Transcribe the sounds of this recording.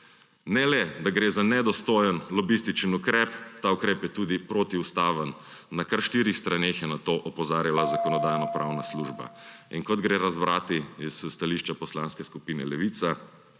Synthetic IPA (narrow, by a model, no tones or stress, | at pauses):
nɛlɛd̪aɡɾeːzanɛd̪ɔst̪oːjənlɔbist̪it͡ʃənukɾɛpt̪aukɾeːpjɛt̪uːd̪ipɾot̪iust̪aːʋənː | akaɾʃt̪iːɾixst̪ɾaneːxjɛnat̪oːʔɔpɔzaːɾjalazakɔnɔd̪ajnɔpɾawnasluʒba̰inkɔd̪ɡɾeɾazbɾaːt̪iisst̪aliʃt͡ʃapɔslanskɛskupiːnɛ̰lɛʋiːt̪sa